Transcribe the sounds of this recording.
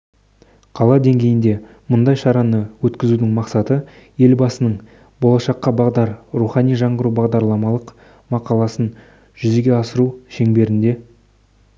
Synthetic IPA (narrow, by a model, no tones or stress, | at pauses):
qʰɑlˠɑd̪e̞ŋɡʲe̞jɪnd̪e̞ | mʊnd̪ɑjʃɑɾɑnəwɵt̪kʲɪzud̪ɪŋmɑqsɑt̪ə | je̞lbɑsənəɴ | bo̞lˠɑʃɑqːɑbɑʁd̪ɑɾɾuχɑnijʒɑɴʁəɾubɑʁd̪ɑɾlˠɑmɑlˠəq | mɑqɑlˠɑsən | ʒ̥ʏze̞ɡʲe̞ɑsəɾuʃe̞ŋbe̞ɾɪnd̪e̞